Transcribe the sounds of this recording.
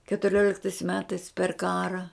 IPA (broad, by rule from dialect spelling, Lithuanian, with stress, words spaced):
kʲɛtʊˈrʲoːlʲɪktɐɪs ˈmʲæːtɐɪs pʲɛr ˈkɑːrɐ